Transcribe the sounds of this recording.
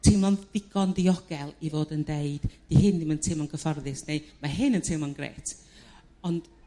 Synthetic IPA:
tʰɪmlˠɔnð̥ɪɡ̥ɔndiɔɡ̥ɛlˠivoːdəndeɨd̥d̥ihɨndɪməntʰɪmɔnɡəfɔrðɪsnemaɦɨnəntʰɪmɔnɡrḛːtʰ | ɔnd̥

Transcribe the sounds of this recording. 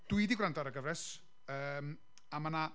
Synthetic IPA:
d̥uidiɡwrandaɾəɡəvɾɛs | əːm | amana

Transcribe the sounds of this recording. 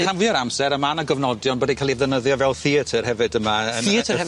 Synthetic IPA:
kʰamviːəɾamsɛɾəmanəɡəvnɔdjɔnbədikʰaːlˠivðənəðjɔvɛwlˠθiətʰərhɛvɨdəmaəiətʰəɛ

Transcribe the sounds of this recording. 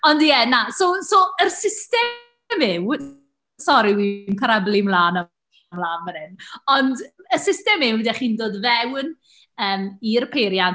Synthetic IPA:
ɔndjɛnasosoərsɪstɛ | mɪw | sɔɾiwimkʰəɾablˠɪmlaːnɔ | mlaːnmənɨnɔndəsɪstɛmɪwdɛχiːndoːdvɛwn | əːmirpʰejɾjan

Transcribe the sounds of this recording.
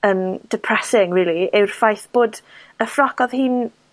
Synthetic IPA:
əːmd̥ɛpʰrɛsɪŋriːlˠiɪwrfajθb̥oːd | əfrɔkɔðhiːn

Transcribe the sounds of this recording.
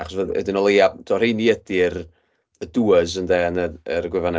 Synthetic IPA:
aχɔsvəðə̰dɪnɔlˠejad̥ɔr̥ejniədɪr | əduːəzəndɛnəəɾɡwɪvanɛ

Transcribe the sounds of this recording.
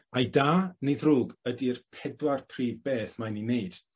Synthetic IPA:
ajdaːnɪðruːɡədirpʰɛdwarpʰriːvbeːθmajnineɨd̥

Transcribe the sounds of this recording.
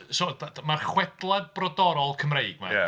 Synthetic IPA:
sodamarχwɛd̥lˠad̚brɔdɔɾɔlˠkʰəmrejɡma̰ja̰

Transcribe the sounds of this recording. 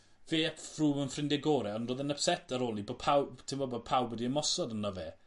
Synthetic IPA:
veːfruːmənfrɪndɛɡoːɾɛɔndroːðənəpsɛtʰəɾoːlˠiboːpʰawtʰɪmbɔbɔpʰawbwədiəmɔsɔdənɔveː

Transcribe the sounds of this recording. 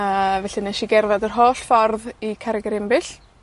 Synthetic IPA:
əvɛɬinɛʃiɡɛrvadərɦoːɬfɔrðikʰaɾɪɡɛɾɪmbɪɬ

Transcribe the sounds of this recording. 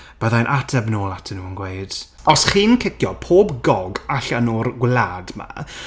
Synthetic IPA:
b̥əðanʔatʰɛbnoːlˠatʰənuːənɡwejd̥ | ɔsχiːnkʰɪkjɔpʰoːbɡɔɡaɬənurɡwladma̰

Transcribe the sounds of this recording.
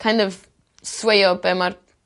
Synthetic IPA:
kʰãjndɔv | swejɔbɛmar

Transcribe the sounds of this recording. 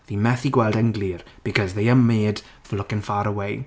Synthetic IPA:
ðimɛθiɡwɛlˠdəŋɡlir | b̥ikʰɔzðejəmːeːd | fəlʊkənfaɾəwej

